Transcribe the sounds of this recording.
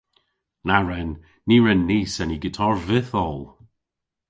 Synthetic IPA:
naɹɛnː | iɹɛnːiːsɛniɡɪtʰɔɹvɪθɔlˠ

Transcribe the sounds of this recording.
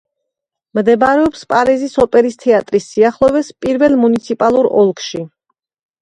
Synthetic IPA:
md̪ɛbaɾɛɔpspʼaɾizisɔpʼɛɾist̪ʰɛat̪ʼɾisːiaχlˠɔvɛspʼiɾvɛlˠmunit̪sʰipʼalˠuɾɔ̰lˠkʰʃi

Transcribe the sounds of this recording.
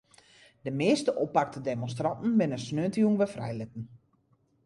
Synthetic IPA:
dəmɪːstəʔopak̚tədemonstrɑntn̩bɪnəsnøəntijuŋʋɛfrɛ̰jlɪtən̩

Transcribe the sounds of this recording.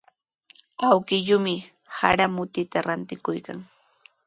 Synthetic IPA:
awkɪʎʊmɪ | ha̰ɾamʊt̪ɪt̪aɾant̪ɪkʊjka̰ŋ

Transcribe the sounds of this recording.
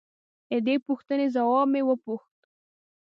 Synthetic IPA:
d̪əd̪epuxt̪ənezawɑb̚mewəpuxt̪̚

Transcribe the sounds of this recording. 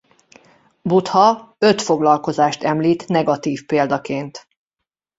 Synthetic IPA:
but̪hɒø̞t̪fo̞ɡlɒlko̞zaːʃt̪ɛmliːt̪nɛɡɒt̪iːfpeːld̪ɒkeːnt̪

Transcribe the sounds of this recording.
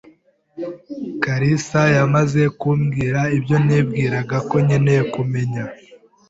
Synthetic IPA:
kaɾisajamaze̞kuːmɡiːɾaibjo̞niːb̚ɡiːɾaɡako̞ɲenejekume̞ɲa

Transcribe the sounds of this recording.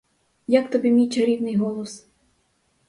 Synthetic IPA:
jakt̪ɔbʲimʲijt͡ʃɐɾʲiwnɪjɦɔlˠɔs

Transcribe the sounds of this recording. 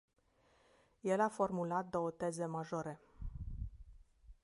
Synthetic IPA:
je̞lafo̞rmulat̪̚d̪o̞ot̪e̞ze̞maʒo̞ɾe̞

